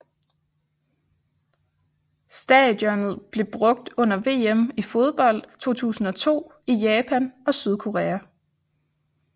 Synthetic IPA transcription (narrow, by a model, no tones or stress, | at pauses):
sd̥ɛd̥jɒnð̩ˠb̥le̝b̥ʁɔ̽ɡ̥̚d̥ɔ̽n̰ɐʋe̝̰ːemifo̝ð̞ˠb̥ɒ̽l̰d̥t͡sʰo̝̰ːt͡sʰṵːsn̩ɒ̽t͡sʰo̝̰ː | ijɛːpʰænʔɒ̽syð̞ˠkʰo̝ʁeːæ